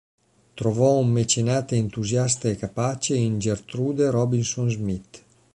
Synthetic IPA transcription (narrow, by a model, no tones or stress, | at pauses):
t̪ɾovɔumːet͡ʃenaːt̪eent̪uzjast̪aekapat͡ʃeind͡ʒert̪ɾud̪eɾɔbinsonzmit̪